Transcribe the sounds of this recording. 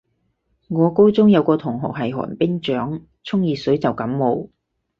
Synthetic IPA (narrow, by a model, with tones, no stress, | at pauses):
ŋɔː˨˧ko˥wt͡sʊ˥ŋjɐ˨˧wkɔː˧t̪ʰʊ˨˩ŋɦʊ̰˨˩k̚hɐ˨˩jɦɔ̰ː˨˩npɪ˥ŋt͡ʃœː˨˥ŋ | t͡sʰʊ˥ŋjiː˨sɵ˨˥ɥt͡sɐ˨wkɐ˨˥mmo˨˧w